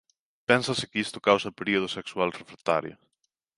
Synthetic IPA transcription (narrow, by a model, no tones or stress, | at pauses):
pɛnsɐsɪkist̪ʊkawsɐpeɾioð̞ʊsekswalrefɾet̪aɾjo̰